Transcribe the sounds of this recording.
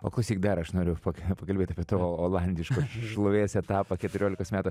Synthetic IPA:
pɐklˠɐʊsʲiːk̚d̪ɐɾɐʃnoːɾʲʊpɐpɐkɐlʲbeːt̪ʲɐpʲiɛt̪oːoːlˠɐnʲd̪ʲɪʃkoʃlˠʊʋʲeːsɛt̪ɑːpɐkʲɛt̪ʊɾʲoːlʲɪkoːsmʲæːt̪ʊ

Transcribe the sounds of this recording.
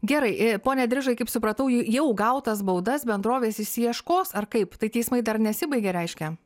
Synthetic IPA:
ɡʲɛɾɐɪpoːnʲɛd̪ʲɾʲɪʒɐɪkɐɪpsʊpɾɐt̪ɐʊjjɛʊɡɐʊt̪ɐsbɐʊd̪ɐsbʲɛnd̪ɾoːʋʲeːsɪʃʲsʲɪjiɛʃkoːsɐrkɐɪpt̪ɐɪt̪ʲɛɪsmɐɪd̪ɐrnʲɛsʲɪbɐɪɡʲɛɾʲɛɪʃʲkʲɛ

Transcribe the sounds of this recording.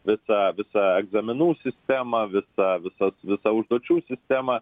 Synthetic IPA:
ʋʲɪsɐʋʲɪsɐɛɡzɐmʲɪnuːsʲɪsʲt̪ʲæːmɐʋʲɪsɐʋʲɪsɐsʋʲɪsɐʊʒd̪uɔt͡ʃʲuːsʲɪsʲt̪ʲæːmɐ

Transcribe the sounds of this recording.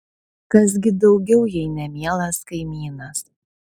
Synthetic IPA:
kɐs̬ɡʲɪd̪ɒʊɡʲɛʊjɛɪnʲɛmʲiɛlˠɐskɐɪmʲiːnɐs

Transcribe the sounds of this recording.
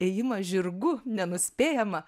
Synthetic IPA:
eːjɪmɐʒʲɪrɡʊnʲɛnʊsʲpʲeːjɛmɐ

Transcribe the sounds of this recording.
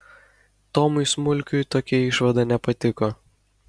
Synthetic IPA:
t̪ɔːmʊɪsmʊlʲkʲʊjt̪oːkʲɛɪʃʋɐd̪ɑnʲɛpɐt̪ʲɪkoː

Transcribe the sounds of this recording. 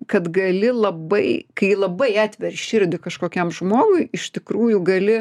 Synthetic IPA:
kɐt̪ɡɐlʲɪlˠɐbɐɪkɐɪlˠɐbɐɪɑːt̪ʲʋʲɛrʃʲɪɾʲd̪ʲɪkɐʃkoːkʲɛmʒmoːɡʊɪɪʃt̪ʲɪkɾuːjʊɡɐlʲɪ

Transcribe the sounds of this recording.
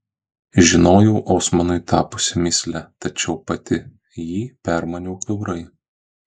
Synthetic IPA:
ʒʲɪnoːjɛʊʔoːsmɐnʊɪt̪ɑːpʊsʲɪmʲɪsʲlʲɛt̪ɐt͡ʃʲɛʊpɐt̪ʲɪ | jiːpʲæˑɾmɐnʲuːkʋʲɛʊɾɐɪ

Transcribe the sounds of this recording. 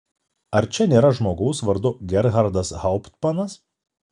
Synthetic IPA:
ɐɾt͡ʃʲɛnʲeːɾɐʒmoːɡɐʊsʋɐɾd̪ʊɡʲɛɾɣɐɾd̪ɐshɐʊpt̪mɐnɐs

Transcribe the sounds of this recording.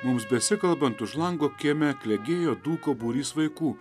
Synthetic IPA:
mʊmsbʲɛsʲɪkɐlˠbɐnt̪ʊʃlˠɐŋɡoːkʲeːmʲækʲlʲɛɡʲeːjoːd̪uːkoːbuːɾʲiːsʋɐɪkuː

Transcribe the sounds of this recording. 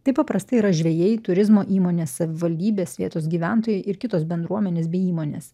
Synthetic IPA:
t̪ɐɪpɐpɾɐst̪ɐɪiɾɐʒʲʋʲɛjɛɪt̪ʊɾʲɪzmoːʔiːmoːnʲeːssɐʋʲɪʋɐlʲd̪ʲiːbʲeːsʋʲiɛt̪oːsɡʲiːʋʲænt̪oːjɛɪʔɪɾkʲɪt̪oːsbʲɛnd̪ɾuɔmʲɛnʲeːs̬bʲɛɪiːmoːnʲḛːs

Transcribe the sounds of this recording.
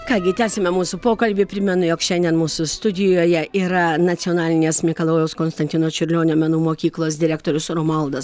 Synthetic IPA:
kɑːɡʲɪt̪ʲæːsʲemʲɛmuːsʊpoːkɐlʲbʲɪpʲɾʲɪmʲɛnʊjoːkʃʲɛnʲd̪ʲɛnmuːsʊst̪ʊd̪ʲɪjoːjɛiːɾɐnɐt̪sʲɪɔnɑːlʲɪnʲeːsmʲeɪkɐlˠoːjɛʊskoːnst̪ɐnʲt̪ʲɪnoːt͡ʃʲʊɾʲlʲoːnʲoːmʲɛnuːmoːkʲiːklˠoːs̬d̪ʲɪɾʲæːkt̪oːɾʲʊsɾoːmɐlˠd̪ɐs

